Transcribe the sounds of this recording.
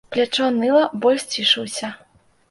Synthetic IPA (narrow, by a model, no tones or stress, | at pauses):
plʲat͡ʂɔnɨlˠɐbɔlʲsʲt͡sʲiʂɨwsʲɐ